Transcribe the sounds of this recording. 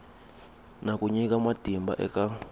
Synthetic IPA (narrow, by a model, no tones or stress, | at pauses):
nakuɲikamad̥ʱimba̰ʔɛ̰ka